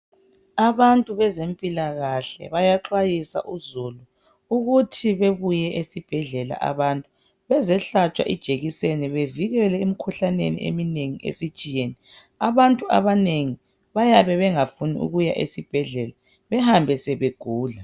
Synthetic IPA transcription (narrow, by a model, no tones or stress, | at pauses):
aβantʼuβɛzempʼilaɣaɬɛ̰βajaǁwajisa̰ʔuzulu | uɣutʰiβeβujɛʔesib̥ʱɛɮɛla̰ʔa̰βantʼu | βɛzɛɬat͡ʃʼwa̰ʔid̥ʒ̥ʱeɣisenɛβeviɣɛlɛumikʰuɬanḛnḭʔḛmineŋiʔḛsid̥t͡ʃʼijeni | aβantʼua̰βaneŋi | βajaβɛβɛŋafunḭʔṵɣujaʔḛsib̥ʱɛɮɛla | βɛhambʱɛsɛβeɡ̥ʱuːla